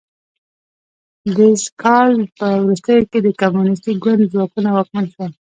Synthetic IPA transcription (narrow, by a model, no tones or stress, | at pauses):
d̪əskʰɑlpəwɾust̪əjoked̪əkamunɪs̬t̪ik̚ɡwand̪zwɑkunawɑkmanʃa